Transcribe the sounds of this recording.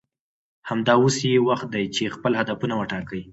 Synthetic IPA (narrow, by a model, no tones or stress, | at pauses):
hamd̪ɑwosjewaxt̪̚d̪ajt͡ʃexpəlhad̪afunawəʈɑkəj